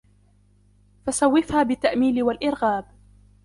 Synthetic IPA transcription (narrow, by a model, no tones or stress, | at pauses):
fasawːɪfhaːbɪt̪ːaʔmiːlɪwalʔɪɾɣaːb